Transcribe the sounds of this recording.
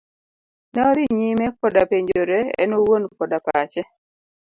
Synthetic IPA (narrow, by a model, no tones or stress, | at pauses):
naɾiɲimɛkɔdapeɲd͡ʒoɾɛɛ̰nowonkɔdapat͡ʃɛ